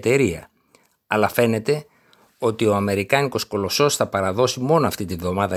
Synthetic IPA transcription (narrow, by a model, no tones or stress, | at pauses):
t̪e̞ɾiɐ̰ | ɐlɐfe̞ne̞t̪e̞ | o̞t̪io̞ɐme̞ɾikɐniko̞sko̞lo̞so̞sθɐpɐɾɐðo̞simo̞noɐft̪it̪ivðo̞mɐðɐ